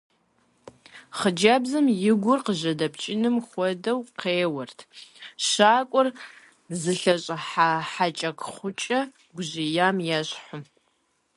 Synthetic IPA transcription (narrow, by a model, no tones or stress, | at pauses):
χəd͡ʒabzɨmjɪɡʷʊrqəʑɐdɐpʰt͡ʃʼɪnɨmχʷɔdɐwqeːwɐrtʰɕaːkʷʼʊr | zɨɬɐɕʼɐħaħat͡ʃʼɐkʰʼχʷʊt͡ʃʼɐ | ɡʷʊʑɪjaːmjaɕħʊ